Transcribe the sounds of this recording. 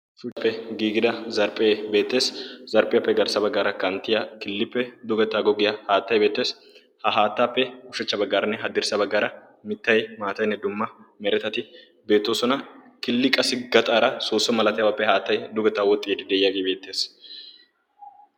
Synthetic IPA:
fʊpːɛɡiːɡɪd̪ɐzɐɾpʼeːbe̞ːt̪ːe̞ːszɐɾpʼɪjɐpːɛɡɐɾsɐbɐɡːaːɾɐkɐnt̪ːɪjɐkɪlːɪpːɛd̪ʊɡɐt̪aːɡɔɡɪjɐhaːt̪ːɐjbe̞ːt̪ːe̞ːs | hɐɦaːt̪ːaːpːɛʊʃɐt͡ʃːɐbɐɡːaːɾɐnːɛɦɐd̪ɪɾsɐbɐɡaːɾɐ | mɪt̪ːɐjmaːt̪ɐjnːɛd̪ʊmːɐmɛɾɛt̪ɐt̪ɪ | be̞ːt̪ːoːsɔnɐ | kɪlːɪkʼɐsɪɡɐt̪ʼaːɾɐsoːsːɔmɐlɐt̪ɛjɐwɐpːɛɦaːt̪ːɐjd̪ʊɡɐt̪ːaːwɔt̪ʼːiːd̪ɪd̪eːjɐɡebe̞ːt̪ːe̞ːs

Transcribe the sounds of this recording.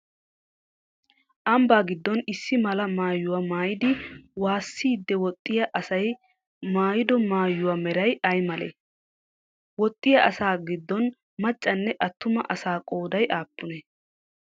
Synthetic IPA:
ʔɐmbaːɡɪd̪ːɔnɪsːɪmɐlɐmaːjːʊwamaːjɪd̪ɪwaːsːiːd̪ːɛwɔt̪ʼːɪjɐʔɐsɐj | maːjɪd̪ɔmaːjːʊwamɛɾɐjɐjmɐlḛ | wɔt̪ʼːɪjɐʔɐsaːɡɪd̪ːɔn | mɐt͡ʃʼːɐnːɛʔɐt̪ːʊmɐ̰ʔɐsaːkʼo̞ːd̪ɐjʔaːpːʊnɛ

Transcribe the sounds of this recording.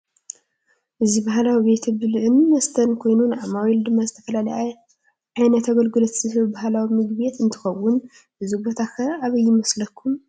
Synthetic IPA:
ʔɨzibahlawibe̞t̪ʰɐbɨlʕɨnːɐst̪ʰɐnkʰo̞jnunʕamawild̪ɨmːazɨt̪ʰɐfɐlalɐja | ʕajnɐt̪ʰaɡɐlɡɨlot̪ʰzɨhɨβbahlawimɨɡbjet̪ɨnt̪ʰɨ̥xɐwːʊn | ʔɨzibo̞t̪ʰakʰɐɾʔaβɐjːɪmɐslɐkʰːum

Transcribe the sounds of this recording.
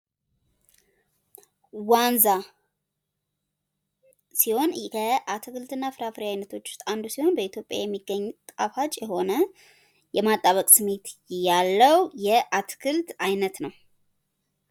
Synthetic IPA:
wanza | siho̞nəʔat̪ʰɨkʰɨlt̪ɨnːafɨɾafɨɾijajnət̪ʰo̞t͡ʃːʊ̥st̪ʼand̪usiho̞nbəit̪ʰjo̞pʼja̰jɛmːiɡːəɲːt̪ʼafat͡ʃʼjɛho̞nə | jɛmat̪ʼːaβəkʼsɨme̞t̪jalːəwjɛʔat̪ʰkʰɨlt̪ajnət̪nəw

